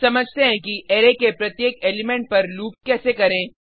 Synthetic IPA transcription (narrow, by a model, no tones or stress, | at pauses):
sɐməd͡ʒʱt̪eɦɛ̃kiʔeːɾekepɾɐt̪jeːkeːlɪmẽɳʈ̚pɐɾluːp̚kɛːsekɐɾẽː